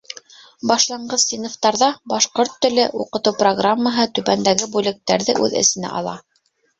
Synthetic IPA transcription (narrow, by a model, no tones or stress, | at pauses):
bɑʃlˠɑɴɢɤðsinoft̪ɑɾðɑbɑʃqoɾt̪ːɵ̆lɘʔuqɤ̆t̪ɤwproɡramːəɦɤt̪ʉβænd̪æɡɘbulɘ̆k̚t̪ːæɾðɘ̰ʔʉðɘ̰̆sɘ̆næ̰ʔɑ̰lˠɑ